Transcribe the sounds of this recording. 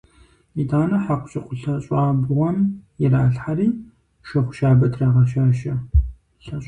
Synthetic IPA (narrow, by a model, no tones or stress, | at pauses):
idaːnɐħaqʷʊɕʼɪqʷʼʊɬɐɕʼɑːbʁʷɔmjɛraːɬħariː | ʃɐχʷʊ̥ʃaːbɐtʰrɐʁɐʃaːʃɐ | ɬɐɕʼ